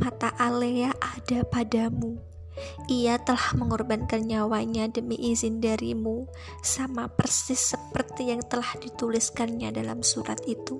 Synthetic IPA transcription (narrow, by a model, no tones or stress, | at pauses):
kat̪aʔaleaʔadapadamu | ʔiat̪əlahməŋɔrbankanɲawaɲadəmiʔizɪndaɾimu | samapərsɪsːəpərt̪ijaŋt̪əlahdit̪ulɪskanɲadala̰msuɾa̰t̪̚it̪u